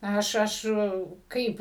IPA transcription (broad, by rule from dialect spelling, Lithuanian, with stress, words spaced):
ˈɐʃ ˈɐʃ ˈkɐɪp